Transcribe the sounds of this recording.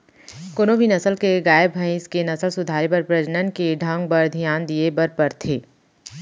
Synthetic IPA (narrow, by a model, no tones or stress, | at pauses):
konobʱinɐsəlkeɡaːjəbbʱɐ̃ĩskenɐsəlsʊd̪ʱaːɾebɐɾpɾɐd͡ʒnənkeɖʱə̃ŋɡ̚bɐɾd̪ʱijaːnd̪iebɐɾpɐɾt̪ʰeː